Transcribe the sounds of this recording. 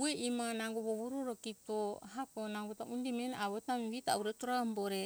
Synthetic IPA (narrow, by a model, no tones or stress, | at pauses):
ueʔimanaŋɡoβoβuɾoɾokitoɦakonaŋɡutaʔundimenaβotamiβita̰uɾetoɾamboɾe